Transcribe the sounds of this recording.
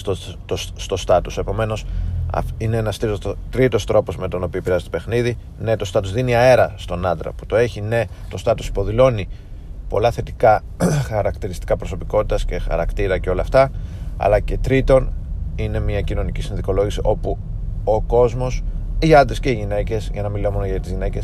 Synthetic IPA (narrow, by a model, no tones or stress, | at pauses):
t̪ot̪ost̪o̞st̪ɐt̪use̞po̞me̞no̞sɐ̰ineenɐst̪it̪ɾit̪o̞st̪ɾo̞po̞zme̞t̪o̞no̞pioipiɾɐzet̪ope̞xniði | ne̞t̪o̞st̪ɐt̪uzðiniɐe̞ɾɐst̪o̞nɐnd̪ɾɐ̰pu̥t̪o̞e̞çine̞ | t̪o̞st̪ɐt̪usi̥po̞ðilo̞ni | po̞̰lɐθe̞t̪ikɐ | xɐɾɐkt̪iɾist̪i̥kɐpɾo̞so̞piko̞t̪it̪ɐsce̞xɐ̰ɾɐ̰kt̪iɾɐceo̞lɐːft̪ɐɐ̰lɐce̞t̪ɾit̪o̞nine̞miɐcino̞nicisinðiko̞lo̞ʝisiʔo̞pu | oko̞zmo̞siɐnd̪esceiʝine̞ce̞sʝɐnɐmilimonɐʝɐt̪izʝine̞ce̞s